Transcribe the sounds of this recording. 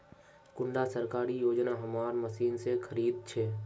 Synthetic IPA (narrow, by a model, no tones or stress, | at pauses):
kʊ̃ɳɖasəɾkaːɾijoːd͡ʒnaɦəmaːɾməsiːnsekʰəɾiːd̪̚t͡ʃʰɛː